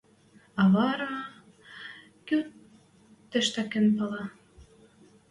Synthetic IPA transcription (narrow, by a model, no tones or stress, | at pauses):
ɑβɑɾɑ | kø | t̪ːɘ̆ʃt̪ækɘ̆npɤlɑ